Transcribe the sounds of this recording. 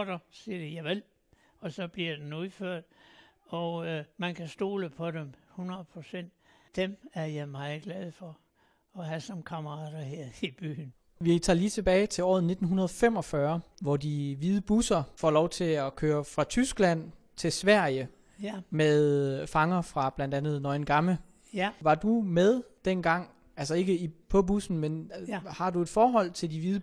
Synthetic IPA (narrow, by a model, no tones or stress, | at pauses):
d̥ɐsiɐd̥ijɑɪʋel | ɒ̽sɒ̽b̥liɐd̥enuðˠføɐ̰d̥̚ɒʊmænkʰæsd̥o̝̰ːləpʰɒ̽d̥emhunʁɐð̩ˠpʰʁosen̰d̥̚d̥emæɐjɑɪmɑ̈ɪð̩ˠɡ̥lɛð̞ˠfɒ | ɒɦæsɒmkʰɑmɐʁɑ̰̈d̥ɐheɐ̰ib̥y̰ːn | ʋit͡sʰɑ̈ːliːt͡sʰe̝b̥ɛːɪt͡sʰe̝lɒ̰ːð̩ˠne̝d̥n̩ɦunɐð̞ˠɒfem̰ɒ̽fɶɐʋɒd̥iʋið̞ˠəb̥usɐfɒ̰ːlɒʊt͡sʰe̝lɒkʰøːɐfʁɑ̈t͡sʰysɡ̥læn̰ | t͡sʰe̝sʋæɐ̰jə | meðˠfɑ̈ŋɐfʁɑ̈b̥læn̰d̥ænð̩ˠnɒɪnɡ̥ɑ̈mlə | ʋɑ̈d̥umeð̞ˠd̥enɡ̥ɑ̈ŋ̰ | ælsɐe̝ɡ̥əipʰɒ̽b̥usn̩menhɑ̈due̝d̥fɒːɦɒ̽l̰t͡sʰe̝ld̥iʋiðˠ